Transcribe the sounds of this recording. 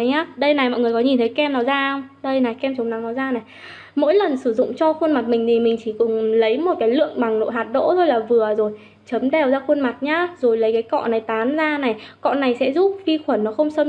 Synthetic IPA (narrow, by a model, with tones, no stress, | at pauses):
ɲaː˨˦ɗə˧jna˨˩jmɔ̰˧˨jŋɨ˨˩əkɔ˨˦ɲi˨˩nt̪ʰə˨˦jkɛ˧mnɔ˨˦zaː˧ə˧wŋ͡mɗə˧jna˨˩jkɛ˧mt͡ɕʊ˨˦ŋ͡mna˨˦ŋnɔ˨˦zaː˧na˨˩j | mo̰˧˥jlə˨˩nsɨ˧˩zʊ̰˧˨ŋ͡mt͡ɕɔ˧xwə˧nma˨˩t̚mï˨˩ŋ̟t̪ʰi˨˩mï˨˩ŋ̟t͡ɕi˧˩kʊ̰˧˩ŋ͡mlə˨˦jmo˨˩t̚kaː˨˦jlɨ̰˧˨əŋɓa˨˩ŋno̰˧˨jɦaː˨˩t̚ɗo̰˧˥t̪ʰo˧jlaː˨˩vɨ˨˩əzo˨˩j | t͡ɕə˨˦mɗɛ˨˩wzaː˧xwə˧nma˨˩t̚ɲaː˧zo˨˩jlə˨˦jkaː˨˦jkɔ̰˧˨na˨˩jt̪aː˨˦nzaː˧na˨˩jkɔ̰˧˨na˨˩jsɛ̰˧˥zu˦˥p̚fi˧xwə˧˩nːɔ˨˦xə˧wŋ͡msə˧m